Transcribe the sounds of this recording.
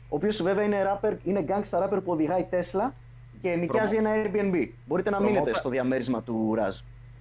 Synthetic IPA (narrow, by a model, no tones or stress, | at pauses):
o̞ːpio̞sve̞veɐine̞ɾɐpeɾine̞ɡɐŋɡst̪ɐɾɐpeɾpuo̞ðiɣɐit̪e̞slɐ | ce̞nicɐzie̞nɐeɾbienbibo̞ɾit̪e̞nɐmine̞t̪e̞st̪o̞ðiɐme̞ɾizmɐt̪uɾɐ̰z